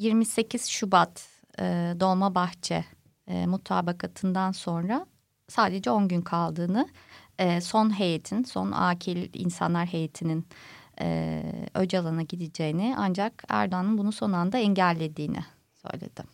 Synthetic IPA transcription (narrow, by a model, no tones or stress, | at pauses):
jiɾmise̞cʰiz̥ʃubat̪ | ɯːd̪o̞lˠmabaxt͡ʃʰɛ̰ː | mut̪ʰa̰ːbakʰat̪ʰɯnd̪anso̞nɾa | saːd̪e̞d͡ʒɛo̞nɟynkʰalˠd̪ɯːnɯɛːso̞nɦe̞jet̪ʰinso̞̰na̰ːcʰilʲḭnsa̰nlˠaɾɦe̞jet̪ʰininɛ̰ød͡ʒalˠanaɟid̪id͡ʒe̞jinɪa̰nd͡ʒakæ̰ɾd̪oanɯnbunuso̞nand̪aɛɲɟælʲːe̞d̪iːnʔɪ̰ | sø̞̰jlʲḛd̪̥ɪ